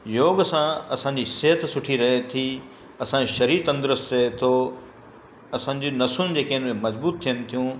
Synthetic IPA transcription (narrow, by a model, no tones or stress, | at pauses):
joːɡsãɐsãːɲd͡ʑisɪɦət̪sʊʈʰiɾɐɦet̪ʰi | ɐsãʃɐɾiːɾt̪ɐ̃nd̪ɪɾəstet̪ʰo | ɐsãːɲ̆d͡ʑonɐsʊnɪ̆d͡ʑeːkeɦɪ̃nmẽmɐzbuːt̪ʰːijənɪ̆t̪ʰijũː